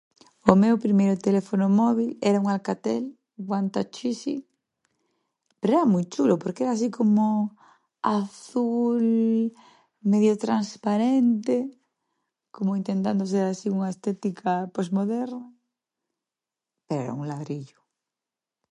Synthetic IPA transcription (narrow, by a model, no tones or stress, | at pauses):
omewpɾimejɾʊt̪elefonomɔβ̞ilɛɾauŋalkat̪el | ɣwant̪at͡ʃisḭ | peɾoeamujt͡ʃulʊpoɾkeɛɾaːs̬ikomo | aθul | meðjot̪ɾanspaɾent̪e | komoint̪ent̪and̪os̬eɾasiuŋaest̪ɛt̪ikʰaposmoðɛɾna | peɾoḛɾa̰uŋlaðɾiʎʊ̥